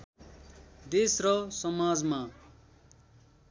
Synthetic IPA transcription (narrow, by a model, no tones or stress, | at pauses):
d̪esrʌsʌmad͡zma